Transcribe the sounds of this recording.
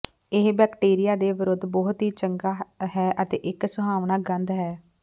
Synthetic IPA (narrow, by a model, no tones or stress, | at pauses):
ɪɦbɛːkʈeːɾɪjaːd̪eːʋɪɾʊd̪bɔːt̪ɦiːt͡ʃəŋɡaːɦɛːʔət̪ḛːʔɪksʊɦaːʋnaːɡənd̪ɦɛː